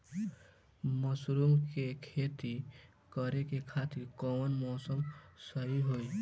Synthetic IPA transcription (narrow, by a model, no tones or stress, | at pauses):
məsɾumkekʰet̪i | kəɾekekʰat̪iɾkɔmənmɔːsəmsəɦiɦoi